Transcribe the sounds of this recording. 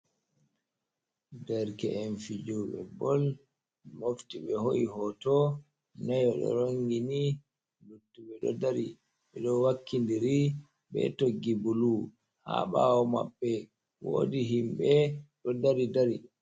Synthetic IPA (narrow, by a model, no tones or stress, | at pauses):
dɛɾkɛʔɛnfid͡ʒuɓɛ̰bɔl | moftiɓɛhoʔiɦɔtɔ | najɔɗɔ̰ɾoŋɡini | lutːuɓɛɗɔ̰daɾi | ɓɛɗɔwakʰːindiɾi | ɓɛ̰toɡːibulu | ha̰ɓawɔma̰ɓːɛ | wo̰ːdiɦimɓɛɗɔdaɾidaɾi